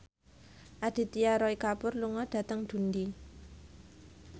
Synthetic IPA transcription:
ʔad̪̥i̤t̪iaɾɔikapʊrluŋɔd̥ä̤t̪əŋd̪̥ṳnd̪i

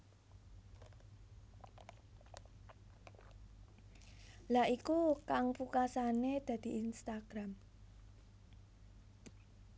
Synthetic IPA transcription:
laʔikukaŋpukasaned̪̥ä̤d̪̥i̤inst̪aɡ̥ɾam

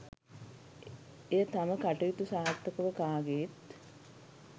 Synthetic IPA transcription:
ejət̪aməkaʈɐʋit̪usaːt̪ːəkəʋəkaːɡet̪

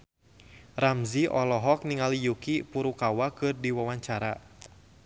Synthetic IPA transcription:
ramziʔɔlɔɦɔk̚niŋalijukipuɾukawakɨrdiwawaɲt͡ʃaɾa

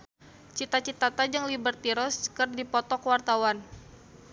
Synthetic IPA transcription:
t͡ʃit̪at͡ʃit̪at̪ad͡ʒaŋlibərt̪iɾɔskərdipɔt̪ɔkwart̪awan

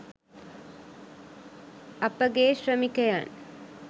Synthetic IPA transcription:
ɐpɐɡeːʃɾɐmikɐja̰ːn

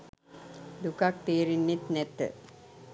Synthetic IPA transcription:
d̪ukak̚t̪eːɾinːit̪nɛt̪ə̰

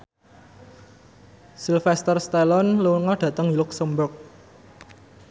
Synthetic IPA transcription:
silfɛst̪ərst̪ɛlɔnluŋɔɖ̥ä̤t̪əŋilʊksəmbʊk̚

